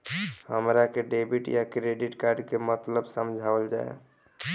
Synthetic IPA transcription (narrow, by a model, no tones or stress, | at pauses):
həmɾakeɖebiʈjakɾeɖiʈkaɾɖkemət̪ləbsəmd͡ʒʱabəld͡ʒa̰ḛ